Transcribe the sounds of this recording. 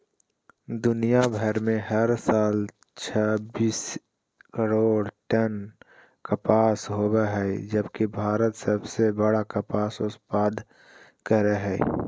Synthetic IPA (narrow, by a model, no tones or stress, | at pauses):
d̪ʊnijabʱəɾmẽɦəɾsaːl | t͡ʃʰabiːs | kəɾoːɽʈən | kəpaːsɦoːbeɦɛd͡ʒəbkibʱaːɾət̪səbsebəɽakəpaːsʊspaːd̪ | kəɾeɦɛː